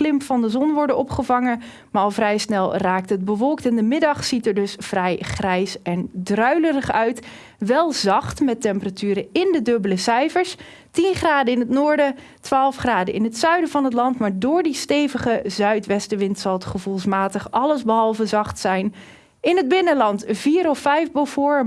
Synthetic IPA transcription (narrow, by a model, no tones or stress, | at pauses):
lɪmpfɑndəzɔnʋɔɹdənɔpχəvɑŋə | maːɹɑlˠvrɛjsnɛlˠraːk̚tɦəd̚bəʋɔlˠk̚tɪndəmɪdɑχsitəɹdɵsfrɛjχrɛjsɛndrœɥlərəχœɥt | ʋɛlˠzɑχtmɛtɛmpəratyːɾəɪndədɵbələsɛjfəɹs | tinχraːdəɪnətnʊːɹdə | tʋaːlˠfχraːdəɪ̰nɦətsœɥdəvɑnɦət̬lɑntmaːɹdʊːɹdistejvəχəzœɥtʋɛstəʋɪntsɑlˠətχəvulˠsmaːtəχʔɑləzbəɦɑlˠvəzɑχtsɛjn | ɪnɦəd̚bɪnəlɑntviːɾɔfɛjfbəvʊːɹ